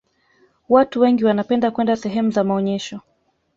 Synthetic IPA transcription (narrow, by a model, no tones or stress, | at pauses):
watuwɛŋɡiwanapɛndakwɛndasɛɦɛmuzamaɔɲɛʃɔ